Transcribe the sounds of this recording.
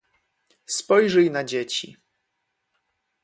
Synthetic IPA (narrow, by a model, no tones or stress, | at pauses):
spɔjʐɛjnad͡ʑet͡ɕḭ